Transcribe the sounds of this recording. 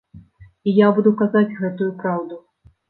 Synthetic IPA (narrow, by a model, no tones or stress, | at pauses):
ijabud̪ukazad͡zʲɣɛt̪ujupɾawd̪u